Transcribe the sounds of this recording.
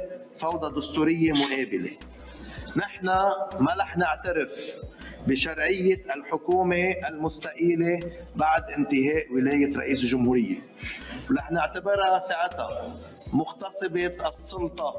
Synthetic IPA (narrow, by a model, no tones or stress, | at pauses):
fɑwd̪ˤɑd̪ʊst̪uːɾɪjːemʊʔeːbɪlḛ | nɪħnamalaħnɪʕt̪aɾɪfbɪʃɑɾˤʕɪjːɪalħʊkuːmeʔalmʊst̪aʔiːlebaʕd̪ʔɪnt̪ɪɦeːʔwɪleːjɪɾˤɑ̰ʔiːsɪlʒʊmhuːɾɪjːḛ | laħnɪʕt̪abɪɾasaːʕɪt̪a̰ | mʊxt̪ɑsˤɨbeɑsˤːʊlt̪ˤɑ